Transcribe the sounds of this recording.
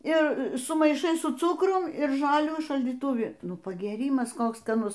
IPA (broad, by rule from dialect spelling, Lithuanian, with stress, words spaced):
ɪ sʊmɐɪˈʃɐɪ sʊ ˈt͡sʊkrʊm ɪr ˈʒɑːlʲuː ʃɐlʲdʲiːtʊˈʋʲɪ ˈnʊ pɐɡʲeːˈrʲiːmɐs ˈkoːks skɐˈnʊs